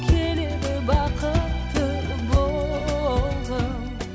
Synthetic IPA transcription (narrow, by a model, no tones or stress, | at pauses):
kʲʰelɪd̪ɪbɑqʰət̪ʰːə | bo | lˠd̪ə